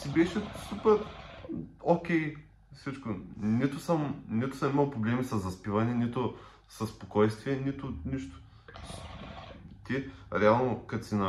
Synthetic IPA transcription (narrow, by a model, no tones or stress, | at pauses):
sibɛʃɛsupɛɾ | okʲɛj | sit͡ʃkʊnit̪ʊsɐmnit̪ʊ̥sɐmimɐlˠpɾoblɛmisɐzɐspivɐnɛnit̪ʊ | sɐsːpokɔjst̪viɛnit̪ʊniʃt̪ʊ̥ | t̪ʲiɾɛalˠnokɐt̪sinɐ